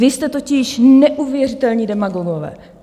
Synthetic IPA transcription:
ɪst̪ɛt̪o̞cɪʃnɛʔuvjɛrɪt̪ɛlɲiːdɛmaɡoɡovɛ̰ː

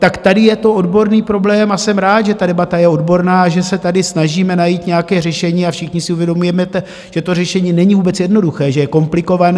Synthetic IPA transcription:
t̪akt̪adɪjɛt̪o̞o̞dbo̞ɾniːpɾo̞blɛːmasɛmɾaːt̪ʒɛt̪adɛbat̪ajɛo̞dbo̞ɾnaːaʒɛsɛt̪adɪsnaʒiːmɛnajiːt̪ɲɛakɛːrɛʃɛɲiːafʃɪxɲɪsɪuvjɛdo̞mujɛmɛt̪ɛ | ʒ̥ɛt̪o̞rɛʃɛɲiːnɛɲivuːbɛt͡sjɛdno̞duxɛːʒɛjɛko̞mplɪko̞van

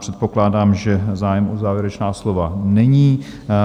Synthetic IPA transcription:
r̥ɛt̪̚po̞klaːdaːmʒɛzaːjɛmʔozaːvjɛɾɛt͡ʃnaːslo̞vanɛɲiː

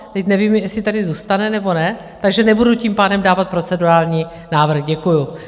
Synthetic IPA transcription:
t̪ɛcnɛviːmjɛsɪt̪adɪzuːst̪anɛnɛbo̞nɛ | t̪aɡʒɛnɛbuduciːmpaːdɛmdaːvat̪̚pɾo̞t͡sɛduɾaːlɲi | naːvr̩xɟɛkuju

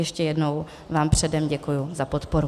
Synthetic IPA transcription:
jɛʃcɛjɛdno̞w | vaːmpr̝̥ɛdɛmɟɛkujʊzapo̞t̪poɾu

